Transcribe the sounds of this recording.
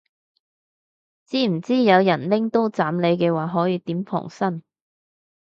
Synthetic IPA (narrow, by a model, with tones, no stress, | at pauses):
t͡siː˥m̩˨˩t͡siː˥jɐ˨˧wjɐ˨˩nlɪ˥ŋt̪o˥wt͡saː˨˥mle˨˧jkɛː˧waː˨˩ɦɔː˨˥jiː˧t̪iː˨˥mpʰɔ̰˨˩ŋsɐ˥n